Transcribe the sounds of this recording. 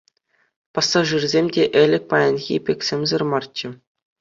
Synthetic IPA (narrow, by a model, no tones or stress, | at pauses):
pɑsːɑʐɯrzʲemʲdʲeʔɘ̆lʲɘ̆k̚ʲpɑjɑnʲɣʲḭpʲekʲsʲemʲzɤ̆rmɑrt͡ɕːɘ̆